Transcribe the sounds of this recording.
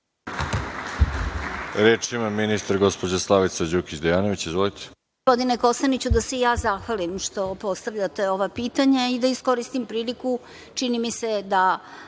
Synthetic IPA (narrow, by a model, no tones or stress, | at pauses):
ɾeːt͡ʃimaminist̪aɾɡo̞spo̞d͡ʑaslˠaʋit̪sad͡ʑukit͡ɕd̪ejaːno̞ʋit͡ɕizʋolit̪ʰe̥ | pod̪ineko̞sanit͡ɕud̪asejaːzaxʋalimʃt̪o̞po̞st̪aʋʎat̪e̞o̞ʋapiːt̪aɲaid̪aisko̞ɾist̪impɾiːliku | t͡ʃinimise̞d̪a